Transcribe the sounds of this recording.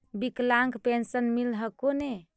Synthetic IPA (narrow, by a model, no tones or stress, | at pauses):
biklaŋkpensənmilɦəkone